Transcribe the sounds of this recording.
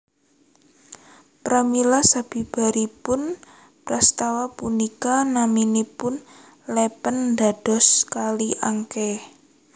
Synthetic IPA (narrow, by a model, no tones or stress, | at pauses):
pɾamilasab̥i̤b̥a̤ɾipʊn | pɾast̪awapunikanaminipʊn | lɛpənda̤d̥ɔ̤skaliʔaŋkɛ